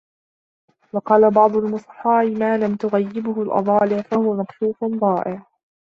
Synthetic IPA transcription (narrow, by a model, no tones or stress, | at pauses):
wɑqɑːlabɑʕd̪ˤʊlmʊsˤħɑːʔɪmaːlamt̪ʊɣajːɪbʊhʊlʔɑ̰ðˤɑːlɪʕfahʊwamakt̪uːfʊnðˤɑːʔɪʕ